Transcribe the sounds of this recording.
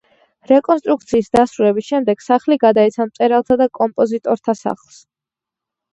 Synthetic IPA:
ɾɛkʼɔnst̪ʼɾuk̚t̪sʰiːsd̪asɾulɛbisʃɛmd̪ɛɡ̥saχliɡad̪aɛt̪sʰamt̪sʼɛɾalˠt̪ʰad̪akʼɔmpʼɔzit̪ʼɔɾt̪ʰasa̰χlˠs

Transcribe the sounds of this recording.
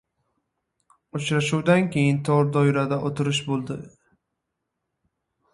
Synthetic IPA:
ʊt͡ʃɾaʃuwd̪ankʲe̞jɪnt̪ʰɒɾd̪ɒjɾad̪aʔot̪ʰɪɾɪʃbolˠd̪ɪ

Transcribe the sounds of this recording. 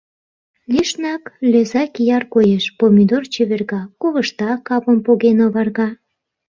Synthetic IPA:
liʃnɑkløzɑkijɑrkojeʃpomʲid̪ort͡ɕyβerɣɑkoβəʃt̪ɑkːɑpə̆mpoɣenoβɑrɣɑ

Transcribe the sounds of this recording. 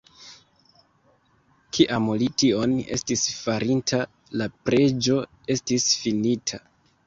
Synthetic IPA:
kʰiʔamolitio̞ne̞̰stisfaɾʔintʰa | lapɾe̞d͡ʒo̞ | e̞stisfinitʰa

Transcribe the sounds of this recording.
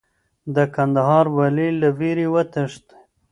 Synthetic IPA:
d̪əkand̪aɦɑɾwalilaviɾiwət̪əʂt̪

